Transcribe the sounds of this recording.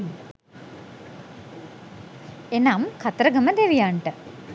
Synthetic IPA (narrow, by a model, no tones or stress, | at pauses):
enamkʰat̪ɾəɡəməd̪eʋijaɳʈə